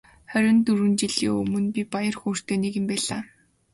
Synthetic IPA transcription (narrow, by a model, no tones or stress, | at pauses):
χæɾʲɪ̆nt̪ɵrɘ̆nt͡ɕiɮḭːɵ̰mɵ̆npʲipajə̆rxuːr̥t̪eːneɣɘ̆mpæːɮaː